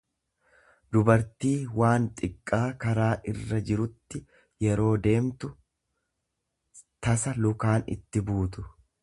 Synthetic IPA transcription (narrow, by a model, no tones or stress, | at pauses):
d̪ʊbɐɾt̪iːwaːnt̪ʼɪkʼːaːkɐɾaːʔɪrːɐd͡ʒɪɾʊt̪ːɪ | jɛɾo̞ːd̪e̞ːmt̪ʊ | t̪ɐsɐlʊkaːnɪ̰t̪ːɪbuːt̪ʊ̥